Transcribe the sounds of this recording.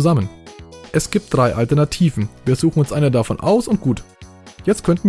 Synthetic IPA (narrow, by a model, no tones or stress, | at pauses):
zamənʔɛsɡ̥iːp̚t̚d̥ʁaɪʔaltɛɐnatʰiːvn̩viːɐzuːxŋ̩ʊnsʔaɪnədafɔnʔa̰ʊsʊnt̚ɡ̥uːt | jɛt͡stkʰœntn̩